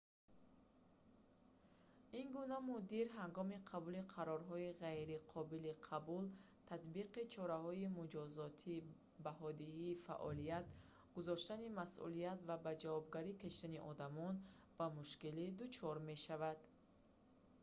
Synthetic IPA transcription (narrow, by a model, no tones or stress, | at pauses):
inɡunamud̪iɾɦaŋɡɔmiqʰabuliqʰaɾɔɾɦɔiʁajɾiqʰɔbiliqʰabul | t̪ʰat̪biqit͡ʃʰɔɾahɔimud͡ʒɔzɔt̪ʰi | baɦɔd̪iiːfa̰ʔɔlijat̪ | ɡ̥uzɔʃt̪animasʔṵliat̪vabad͡ʒavɔbɡaɾikaʃt̪aniʔɔd̪amɔn | b̥amuʃkilid̪ut͡ʃʰɔɾme̞ʃavad̪̥